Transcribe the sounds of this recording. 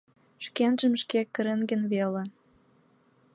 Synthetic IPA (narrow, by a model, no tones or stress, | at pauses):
ʃkenʒəmʃkekːəɾenɡə̆nβele